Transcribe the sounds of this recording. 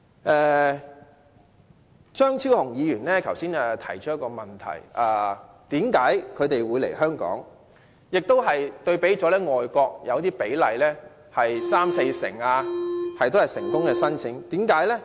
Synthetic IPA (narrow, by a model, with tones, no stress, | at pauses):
ʔɛː˨˧ | t͡ʃœː˥ŋt͡sʰi˥whʊ˨˩ŋjiː˨˧jyː˨˩nlɛː˥kʰɐ˨˩wsiː˥naː˧t̪ʰɐ˨˩jt͡ʃʰɵ˥jɐ˥kːɔː˧mɐ˨˩nt̪ʰɐ̰˨˩jʔaː˧ | t̪iː˨˥mkaː˨˥jkʰɵ˨˧ɥt̪e˨jwu˨˧jlḛ˨˩ɦœː˥ŋkɔ̰ː˨˥ŋ | jɪ˨k̚t̪o˥wɦɐ˨jt̪ɵ˧ɥpe˨˥jt͡sɔː˨˥lɛː˥ŋɔː˨jkʷɔː˧k̚jɐ˨˧wt̪iː˥pe˨˥jlɐ˨jlɛː˥ | hɐ˨jsaː˥mse˧jsɪ̰˨˩ŋaː˧hɐ˨jt̪o˥hɐ˨jsɪ̰˨˩ŋkʊ˥ŋkɛː˧sɐ˥nt͡sʰɪ˨˥ŋt̪iː˨˥mkaː˨˥jlɛː˥